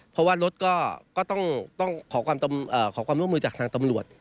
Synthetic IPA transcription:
pʰɔ˦˥waː˥˩ɾo˦˥t̪̚kɔː˥˩kɔː˥˩t̪ɔ˥˩ŋt̪ɔ˥˩ŋkʰɔː˩˦kʰwaː˧mt̪a˧mʔɤː˨˩kʰɔː˩˦kwaː˧mɾu˥˩əmɯː˧t͡ɕaː˨˩kt̪ʰaː˧ŋt̪a˧mɾu˨˩ət̪̚

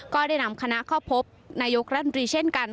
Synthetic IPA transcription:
kɔː˥˩daː˥˩jna˧mkʰa˧na˦˥kʰa˥˩wpʰo˦˥p̚naː˧jo˦˥k̚ɾa˦t̪ʰt̪ɾiː˧t͡ɕʰe˥˩nka˧n

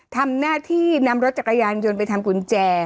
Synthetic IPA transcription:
t̪ʰa˧mnaː˥˩t̪ʰiː˥˩na˧mɾo˦˥t̪̚t͡ɕa˨˩k̚ːa˧jaː˧nt͡ɕo˧np̬a˧jt̪ʰa˧mku˧nt͡ɕɛː˧

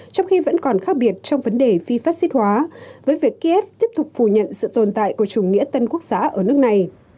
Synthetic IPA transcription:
t͡ɕɔ˧wŋ͡mxi˧və̰˧˥nkɔ˨˩nxaː˦˥k̚ɓi˨˩ət̚t͡ɕɔ˧wŋ͡mvə˨˦nɗe˨˩fi˧faː˦˥t̚si˦˥t̚hwaː˨˦vəː˨˦jvi˨˩əkːi˧ʔɛ˦˥p̚t̪i˦˥əp̚t̪ʊ˨˩k͡p̚fu˧˩ɲə̰˧˨nsɨ̰˧˨t̪o˨˩nt̪a̰ː˧˨jku˧˩ət͡ɕʊ˨˧˩ŋ͡mŋḭ˧˥ət̪ə˧nku˦˥ək̚z̥aː˨˦ʔəː˧˩nɨ˦˥ək̚na˨˩j

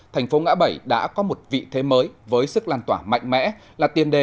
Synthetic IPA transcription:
t̪ʰɛ˨˩ŋ̟fo˨˦ŋa̰ː˧˥ɓə˧˩jɗa̰ː˧˥kɔ˨˦mo˨˩t̚vḭ˧˨t̪ʰe˨˦məː˨˦jvəː˨˦jsɨ˦˥k̚laː˧˩nt̪waː˧˩ma̰˧˨jŋ̟mɛ̰˧˥ | laː˨˩t̪i˨˩ənɗe˨˩

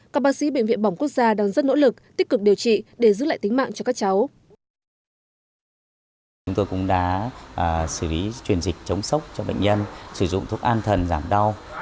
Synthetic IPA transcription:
kaː˦˥k̚ɓaː˨˦sḭ˧˥ɓḛ˧˨ŋ̟vḭ˧˨ənɓa˧˩wŋ͡mku˦˥ək̚zaː˧ɗaː˧ŋzə˦˥t̚no̰˧˥lɨ˨˩k̚t̪i˦˥k̚kɨ˨˩k̚ɗi˨˩əwt͡ɕḭ˧˨ɗe˧˩zɨ̰˧˥la̰ː˧˨t̪ï˨˦ŋ̟ma̰ː˧˨ŋt͡ɕɔ˧kaː˦˥k̚t͡ɕa˨˦w | t͡ɕʊ˨˦ŋ͡mt̪o˧jkʊ̰˧˥ŋ͡mɗa̰ː˧˥ʔsɨ˧˩li˨˦t͡ɕwi˨˩ənzi˨˩k̟̚t͡ɕə˨˦wŋ͡msə˦˥wk͡p̚t͡ɕɔ˧ɓə̰˧˨jŋ̟ɲə˧nsɨ˧˩zʊ̰˧˨ŋ͡mt̪ʰu˦˥ək̚ʔaː˧nt̪ʰə˨˩nzaː˧˩mɗa˧w

